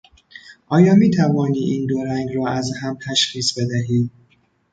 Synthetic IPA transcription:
ʔɒːjɒːmiːt̪ʰævɒːniːʔiːnd̪oɾæŋɡɾɒːæzhæmt̪ʰæʃxiːsbe̞d̪æɦiːd̪

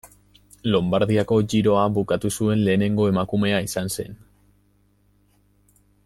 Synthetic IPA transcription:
lo̞mbaɾðiako̞ʝiɾo̞aβukat̪usue̞nle̞ːne̞ŋɡo̞e̞makume̞aisanse̞̰n

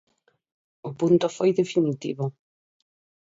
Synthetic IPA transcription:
ʊpunt̪ʊfojðefinit̪ḭβʊ

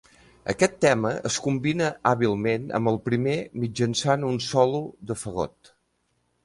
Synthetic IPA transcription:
ə̰kɛt̪ːɛməə̰skumbinəʔaβilˠmenə̰mbəlˠpɾimemid͡ʒənsanunsɔluðəfəɣo̰t̪

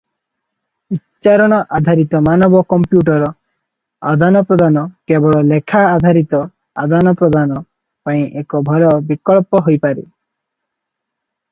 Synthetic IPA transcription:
utt͡ʃaɾɔɽ̃ɔʔad̪ʱaɾit̪ɔmanɔbɔkɔmpjuʈ̬ɔɾɔ | a̰d̪ʱanɔpɾɔd̪ʱanɔkebɔɭɔlekʰaːd̪ʱaɾit̪ɔ | a̰d̪ʱanɔpɾɔd̪anɔ | paĩʔekɔbʱɔlɔbikɔɭpɔɦojpaɾḛ

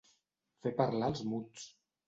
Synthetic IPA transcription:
fepəɾlalˠzmut͡s

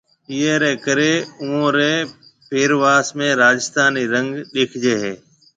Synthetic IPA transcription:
iːeːɾeːkəɾeːuõːɾeː | peːɾʋaːsmẽːɾaːd͡ʒɪst̪aːniːɾə̃ŋɡɗɪkʰd͡ʒeːɦeː

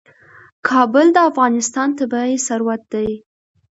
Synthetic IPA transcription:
kʰɑbʊld̪əafɣɑnɪst̪ɑnt̪abaesaɾwat̪̚d̪aj

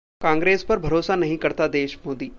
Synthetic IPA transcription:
kãːŋɡɾeːspɐɾbʱɐɾoːsanɐɦĩkɐɾt̪ad̪eːʃmoːd̪iː

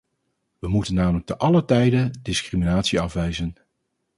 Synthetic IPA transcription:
ʋəmutənːaːmələk̚təʔɑlətɛjdədɪskriminaːtsiɑfʋɛjzən

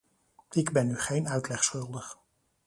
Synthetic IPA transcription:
ɪɡbɛnːyχejnœɥtlɛχsχɵlˠdəχ

